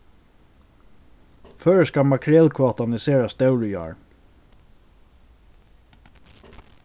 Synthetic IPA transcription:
føːɹskamakʰɾɛlkʰvɔːt̪anɪseːɹast̪ɛwɹɪjɑ̰ːɹ

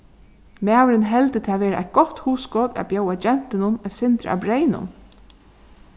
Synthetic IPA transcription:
mæːwɾɪnɦɛlt̪ɪt̪ʰɪaʋeːɾaʔæ̰ɪt̪̚ɡ̥ɔt̪huːsɡɔːd̪a̰bjoːwad͡ʒɛn̥t̪ɪnʊnɛsɪnt̪ɾa̰ʔa̰bɾeɪnʊ̰n

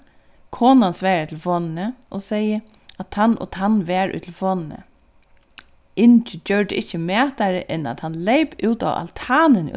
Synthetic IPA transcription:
kʰɔːnansʋɛːɾat̪ʰlfɔnnəʔɔseɪə | at̪ʰanʔɔ̰t̪ʰanʋɛːɹṵːt̪ʰl̩fɔːnnə̰ | ɪntəd͡ʒœɹdəɪçəmæːt̪aɹə̰ʔɛna̰t̪hanleɪpʉːt̪a̰ʋa̰lt̪ʰaːnən̰

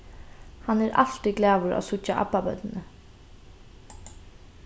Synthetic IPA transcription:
hanɛɾʔa̰l̥t̪iɡlæːʋʊɾa̰sʊt͡ʃːaʔa̰pːabœ̰t̪ənə

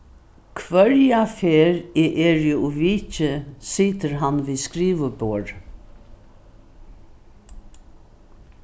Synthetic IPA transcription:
kʰʋœɹjafeːɾeːʔeːɹjuuʋiːt͡ʃəsiːt̪əɾɦanʋiːskɾiːʋəboːɹ

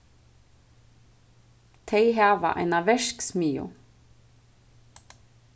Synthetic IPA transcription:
t̪ʰeɪɦæːʋa̰ʔa̰ɪnaʋɛʃksmiːʊ̰

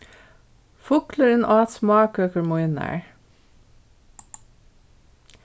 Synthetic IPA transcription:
fʊkləɾənʔɑːt̪smɑːkøːkəɹmɔɪnæ̰ɹ

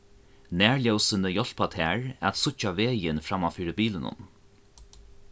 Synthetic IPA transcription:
næːɹljɛwsənəjɔɬpat̪ʰɛːɹæt̪sʊt͡ʃaʋeːjɪnfɾamafiːɾəbiːlənʊ̰n

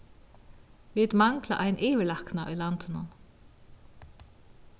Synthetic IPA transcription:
vɪt̪maŋkla̰ʔajnʔɪːʋɪlahknaʔʊ̰jlant̪ɪna̰n

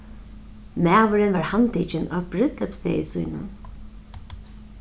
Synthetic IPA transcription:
mɛːvʊɾɪnvaɹhant̪ʰiːt͡ʃɪnaːbɾɪt̪lɛpst̪ḛːjɪsujnʊ̰n

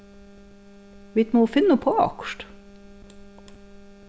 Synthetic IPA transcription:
ʋɪt̪moːfɪnːəpʰoːɑ̰kʃʈ

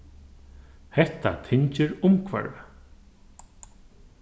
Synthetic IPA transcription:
hɛht̪a̰t̪ʰɪɲt͡ʃɪɾʊmkʰva̰ɹa

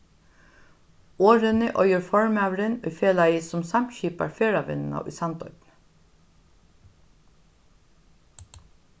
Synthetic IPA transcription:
oːɾənəʔɔʏəɹfɔɹmæʋɾənʏːfeːlɑɪɪsɔmsɑmçiːpɑ̰ɹfeːɹɑʋɪ̰nn̩ɑ̰ʔy̰ːsɑnd̪ɔ̰ʏpn

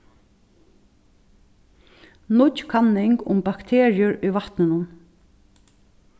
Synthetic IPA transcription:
nʊtkʰanːɪŋkʊ̰mbɑkt̪ʰeːɹɪʊɹiʋaht̪nɪnʊn

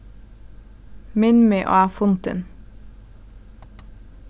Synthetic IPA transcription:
mɪnmiːʔo̰ːæːfʊnt̪ə̰n

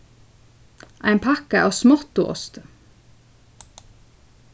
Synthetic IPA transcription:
ʔæ̰ɪnpʰɑkəʔoːsmɔt̪ʊʔɔ̰st̪ə

